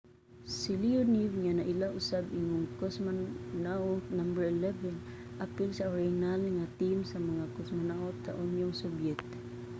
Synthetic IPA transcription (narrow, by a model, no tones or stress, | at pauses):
siliʊnivŋanaʔilaʔʊsabiŋʊŋkɔsmannaʔonambəɹilɛvɛn | ʔapɪlsaʊɾanalŋat̪imsamaŋakosmanaot̪a̰ʔunjʊŋsɔbjɛkt̪